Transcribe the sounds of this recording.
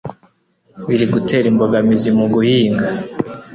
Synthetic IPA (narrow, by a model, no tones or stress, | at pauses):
βiɾiɡute̞ːɾimbo̞ɡamizimuɡuhiːŋɡa